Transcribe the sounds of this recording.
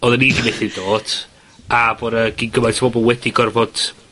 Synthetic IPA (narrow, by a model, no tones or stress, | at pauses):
ɔðənidimeθɪd̥oːd̥ | aboɾaɡ̥inɡəmajsabɔbɔlˠwɛdiɡɔrvɔd̥